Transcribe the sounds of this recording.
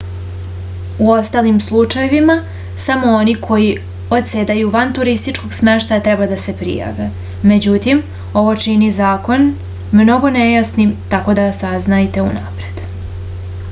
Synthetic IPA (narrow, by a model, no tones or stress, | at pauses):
uo̞st̪alimslˠut͡ʂajeʋima | samo̞o̞nikʰo̞ji | o̞t̪seːd̪ajuʋant̪uɾist̪it͡ʃko̞ɡsme̞ʃt̪ajat̪ɾɛbad̪ase̞pɾḭja̰ːʋe | me̞d͡ʑut̪im | o̞ʋo̞t͡ʃinizaːko̞n | mno̞ɡo̞nejasnit̪ako̞d̪asaznajt̪e̞ṵnapɾe̞d̪